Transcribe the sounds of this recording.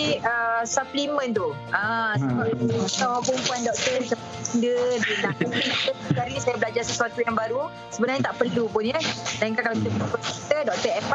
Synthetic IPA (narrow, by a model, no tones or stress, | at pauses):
iəsaplimə̃nt̪u | ʔasəbap̚at̪awaɡumpuandɔk̚t̪əsapat̪indəinaʔuiat̪əd͡ʒaɾisajabəlad͡ʒarsəsuat̪ujaŋbaɾu | səbənarɲat̪aʔpərlupʊnjədaĩŋkalkalawkit̪əpədapadɔkk̚t̪ədɔk̚t̪əɛpa